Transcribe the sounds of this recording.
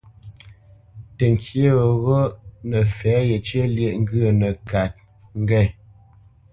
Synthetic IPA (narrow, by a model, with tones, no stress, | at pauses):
tə˨ŋ̩˨kʰje˦˨ɣɔ˦nə˨fɛ˨˦je˨t͡ʃje˦lje˦˨ʔŋ̩˦ɡə˦˨nə˨ka˨t̚ | ŋ̩˦ɡɛ˦˨